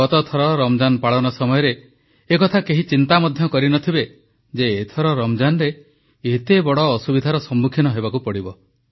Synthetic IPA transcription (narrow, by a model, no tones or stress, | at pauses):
ɔt̪ɔt̪ʰɔɾɔɾɔmd͡ʒanɔpaɭɔnɔsɔmɔjɔɾeː | kɔt̪ʰakeɦit͡ʃint̪amɔd̪ʱjɔkɔɾinɔt̪ʰibe | d͡ʒeːt̪ʰɔɾɔɾɔmd͡ʒanɔɾe | et̪ebɔɽɔːsubid̪ʱaɾɔsɔmːukʰinɔɦebakupɔɽibɔ